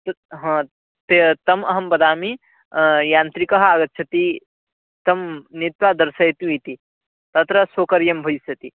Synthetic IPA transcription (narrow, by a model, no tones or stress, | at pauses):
t̪ | ɦɐ̃ː | t̪et̪ɐmɐɦɐmbɐd̪aːmi | jaːnt̪ɾikɐɦaːɡɐt̪̚t͡ʃʰɐt̪i | t̪ɐmnit̪ʋad̪ɐɾsɐjt̪ũit̪i | t̪ɐt̪ɾɐsoːkɐɾjɐmbʱɐjsɐt̪i